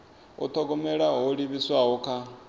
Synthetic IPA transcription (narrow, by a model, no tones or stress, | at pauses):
ṵt̪ʰɔɡɔmɛɺaɦɔɺiβiswaɦɔkʰa